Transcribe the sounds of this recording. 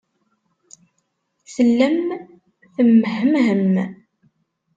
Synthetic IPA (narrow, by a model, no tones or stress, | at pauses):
səlːəm | θəmːəhəmɦəm